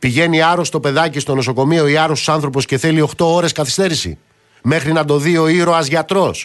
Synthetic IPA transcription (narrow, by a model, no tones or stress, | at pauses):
piʝe̞niɐɾost̪o̞pe̞ðɐcist̪o̞no̞soko̞mio̞iɐɾost̪u̥sɐnθɾo̞posce̞θe̞lio̞xt̪o̞oɾe̞skɐθi̥st̪e̞ɾisḭ | me̞xɾinɐd̪o̞ðio̞iɾo̞ɐzʝɐt̪ɾo̞s